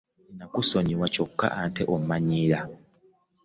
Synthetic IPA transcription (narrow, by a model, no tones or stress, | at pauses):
nakusoɲiwaco̞kːa̰ʔanteʔommaɲiːɾa